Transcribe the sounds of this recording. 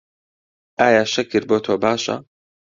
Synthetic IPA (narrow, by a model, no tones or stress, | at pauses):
ʔaːjaːʃɐkɨɾboːt̪ʰoːbaːʃɐ̰